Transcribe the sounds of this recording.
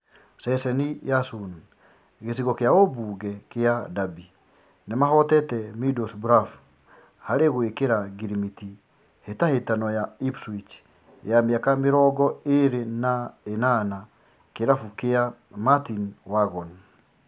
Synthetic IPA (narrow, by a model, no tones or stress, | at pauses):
sɛsɛnijasun | ɣesiɣɔkeaobuːɣɛkeadabi | nemahɔtɛtɛmidɔsbɾaf | haɾeɣwekeɾaɡiɾimiti | hetahetanɔjaipswit͡ʃ | jameakameɾɔɡɔeɾenaenana | keɾafukea | matinwaɣɔn